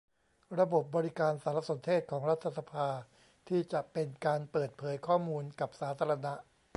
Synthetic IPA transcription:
ɾa˧bo˨˩p̚bɔː˧ɾi˦kaː˧nsaː˩˦ɾa˧so˩˦nt̪ʰeː˥˩t̪̚kʰɔː˩˦ŋɾa˦˥t̪ʰːa˧sa˧pʰaː˧ | t̪ʰiː˥˩t͡ɕa˨˩ʔpe˧nkaː˧npɤː˨˩t̪̚pʰɤː˩˦jkʰɔː˥˩muː˧nka˨˩p̚saː˩˦t̪ʰaː˧ɾa˧na˦˥ʔ

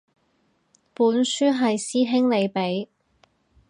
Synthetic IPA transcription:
puː˨˥nsyː˥ɦɐ˨jsiː˥ɦɪ˥ŋle˨˧jpe˨˥j

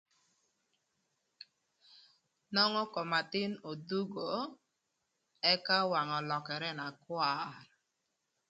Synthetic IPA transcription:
nɔ˦ŋɔ˦kɔ˨ma˨tɪ˦no˨du˦ɡo˨ | ɛ˦ka˦wa˨ŋɔ˨lɔ˨kɛ˨ɾɛ˦na˨kwa˦˨ɾ

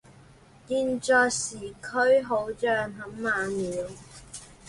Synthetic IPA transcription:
kiː˧nt͡ʃɔː˧jsiː˨˩kʰɵ˥ɥɦo˨˧˥wt͡sœː˨˧ŋɦɐ˨˥mːaː˨˧niː˨˧˥w

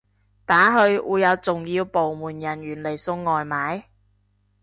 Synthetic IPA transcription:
t̪aː˨˥ɦɵ˧ɥʔṵː˨˧jɐ˨˧wt͡sʊ˨ŋjiː˧wpo˨wmuː˨˩njɐ˨˩njyː˨˩nle˨˩jsʊ˧ŋːɔː˨jmaː˨˥j

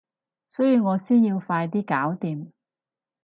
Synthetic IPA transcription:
sɵ˨˥jiː˧wŋɔː˨˧syː˥njiː˧wfaː˧jt̪̬iː˥kaː˨˥wt̪iː˨˧m

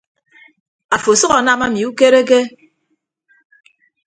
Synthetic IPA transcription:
a˨fo˨sʌ˦ɣa˨na˦ma˦mi˨u˦ke˦ɾe˦k̬e˦

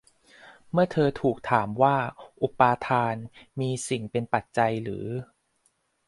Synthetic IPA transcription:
mɯ˥˩ɐt̪ʰɤː˧t̪ʰuː˨˩k̚t̪ʰaː˩˦mwaː˥˩ʔu˨˩paː˧t̪ʰaː˧nmiː˧si˨˩ŋpe˧npa˨˩t̪̚t͡ɕa˧jɾɯː˩˦

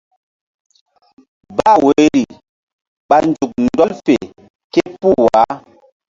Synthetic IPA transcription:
ba˦˨we˨˦ɾi˨ | ɓa˨n˨d͡ʒu˨k̚n̩˦dɔ˦lfḛ˨ | ke˦pu˦˨wa˨˦

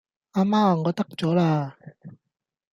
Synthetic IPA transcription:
aː˧maː˥˨ŋɔː˨˧t̪ɐ˥k̚t͡sɔː˨˥laː˧

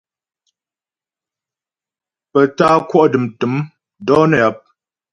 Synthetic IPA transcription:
pə˨taː˦kwɔ˦ʔdɨ˨mtɨ˨˦m | dɔ˦nə˦˨a˨˦p̚

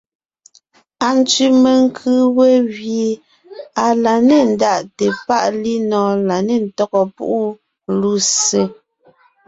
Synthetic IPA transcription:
a˨n˦t͡ʃi˦me˨ŋ˦kʰɯ˦we˦ɣje˨ | a˨la˨ne˦˨n̩˦da˦˨ʔte˨pa˦˨ʔli˦nɔ̃ː˨la˨ne˦˨n̩˨tɔ˦ɣɔ˨pṵ˦ʔu˦ | lu˦se˦

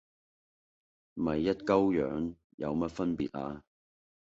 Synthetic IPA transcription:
m̩˨mɐ˨jːɐ˥t̚kɐ˥wjœ̰ː˨˥ŋ | jɐ̰˨˧wmɐ˥t̚fɐ˥npḭː˨t̚a̰ː˧

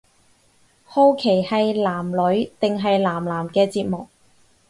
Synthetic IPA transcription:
ho˥wkʰe˨˩jhɐ˨jlaː˨˩mlɵ˨˥ɥt̪ɪ˨ŋɦɐ˨jlaː˨˩mlaː˨˩mkɛː˧t͡siː˧t̚mʊ˨k̚

